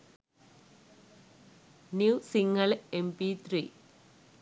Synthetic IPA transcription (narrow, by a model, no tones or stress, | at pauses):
njuːsiŋɡɐlempit̪ɾḭː